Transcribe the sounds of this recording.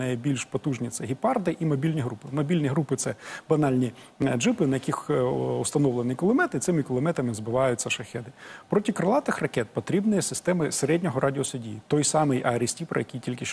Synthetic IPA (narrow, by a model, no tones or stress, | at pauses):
ɐjbʲilʲʃpɔt̪uʒnʲit̪sɛɦʲipɑrd̪ɪʔimɔbʲilʲnʲiɦɾupɪmɔbʲilʲnʲiɦɾupɪt̪sɛbɐnɑlʲnʲi | d͡ʒɪpɪnɐjɐkʲixʊst̪ɐnɔʋlˠenɪkɔlˠɔmɛt̪ɪt̪sɪmɪkʊlˠɔmɛt̪ɐmɪzbɪʋɑjʊtʲt͡sʲːɐʃɐxɛd̪ɪpɾɔtʲikɾɐlˠɑt̪ɪxrɐkɛt̪̚pɔt̪ɾʲibnɪjɛsɪst̪ɛmɪseɾɛdʲnʲɔɦɔɾʔɑdʲɪɔsʊdʲijːt̪ɔjsɑmɪjʔɐɾɪsʲtʲipɾɔ̰jɐkʲijtʲilʲkɪʃ